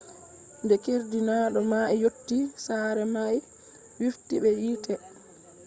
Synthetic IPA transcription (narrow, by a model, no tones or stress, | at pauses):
ndɛkeɾdinaːɗɔmaɛjotːisaɾɛmaj | wiftiɓɛjiːtʰɛ